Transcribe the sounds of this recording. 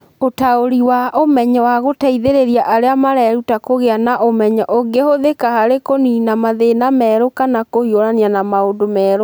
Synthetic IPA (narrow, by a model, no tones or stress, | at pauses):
otaoɾiwaʔomɛɲɛwaɣotaiðeɾeɾiaʔaɾeamaɾɛɾutakoɣeanaʔomɛɲaʔoŋɡehoðekahaɾekoninamaðenamɛːɾokanakohioɾanianamaondomɛːɾo